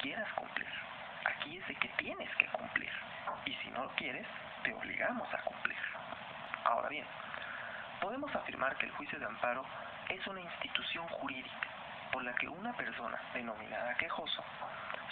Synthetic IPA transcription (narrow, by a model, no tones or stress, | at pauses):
kje̞ɾaskumplḭɾ | a̰kie̞zðeke̞t̪je̞ne̞ske̞kumplḭɾ | isḭnʔo̞lo̞kje̞ɾe̞s | t̪e̞o̞̰βlḭɣamo̞sa̰kumplḭɾ | a̰o̞̰ɾa̰βjen | po̞ðe̞mo̞safiɾmʔaɾkḛːlxwisjo̞ð̞eampaɾo̞ | e̞sunainst̪it̪usjo̞ŋxuɾiðikḁ | po̞ɾlake̞̰ʔunape̞ɾso̞na̰ðe̞no̞mḭ̃naðake̞xo̞so